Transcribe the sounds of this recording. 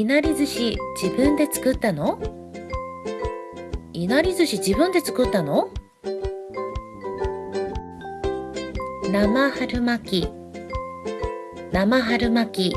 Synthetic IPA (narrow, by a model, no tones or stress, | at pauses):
inaɾʲizɨɕid͡ʑibɯ̟̃nd̪e̞t͡sɨ̥kɯ̟t̪ːano̞ | inaɾʲizɨɕid͡ʑibɯ̟̃nd̪e̞t͡sɨ̥kɯ̟t̪ːano̞ | namahaɾɯ̟makʲi | namaɦaɾɯ̟makʲi